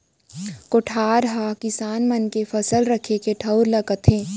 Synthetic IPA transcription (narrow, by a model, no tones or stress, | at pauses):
koʈʰaːɾɦaːkɪsaːnmɐnkefɐsəlɾɐkʰekeʈʰɐʊɾlɐkət̪ʰẽː